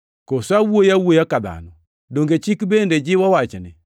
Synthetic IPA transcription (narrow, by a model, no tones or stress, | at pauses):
kosawuojawuojakaða̰nɔ | doŋɡet͡ʃikibended͡ʒiwawat͡ʃɛnɛ